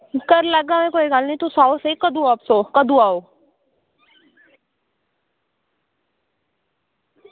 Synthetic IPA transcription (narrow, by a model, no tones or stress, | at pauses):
kəɾləɡamẽkoːikaːlnit̪usaːseikəd̪uaːpsoːkəd̪uaːo